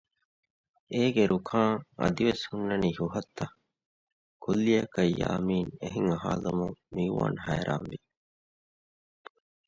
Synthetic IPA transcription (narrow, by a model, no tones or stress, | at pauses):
eːɡeɾʔukʰaːŋɐ̰d̪iʋeshunːɐniːhuɦɐt̪ːɐ | kulːiɐkɐjːa̰ːmiːneɦiŋɐɦa̰ːlɐmuŋmiuʋa̰ːnhæːɾʔaːnʋi